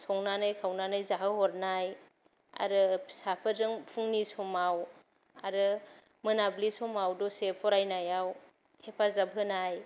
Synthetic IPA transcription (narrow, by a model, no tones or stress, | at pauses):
sɔŋnanɯjkʰawnanajzaɦɯhɔɾnaj | a̰ɾɯsapʰɯzɯŋpʰuŋnisɔmaw | a̰ɾɯ | mɯnablisɔmawdɔsepʰɔɾajnajaw | hepʰazabʱɯnaj